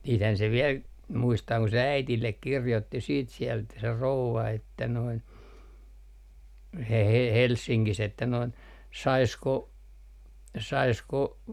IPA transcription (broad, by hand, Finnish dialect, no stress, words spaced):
siːthæn se ʋiɛl muistɑː ku æitilːek kirjotːi siːt siɛlt se rouʋɑ etːæ noin he he helsːiŋkis etːæ noin sɑisko sɑisko